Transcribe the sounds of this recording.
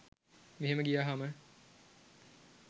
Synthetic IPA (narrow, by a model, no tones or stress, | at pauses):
miɦeməɡijaːɦamə